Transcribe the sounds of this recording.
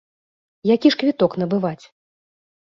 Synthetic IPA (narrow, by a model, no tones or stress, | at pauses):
jakʲiʂkvʲit̪ɔkn̪ɐbɨvat͡sʲ